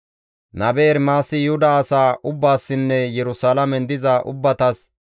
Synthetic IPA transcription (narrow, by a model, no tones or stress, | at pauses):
nɐbeːɾmaːsɪjʊhʊd̪ɐːsaːʔʊbːaːsːɪnːɛjɛɾʊsaːlɐmɛnd̪ɪzɐʔʊ̰bːɐt̪ɐs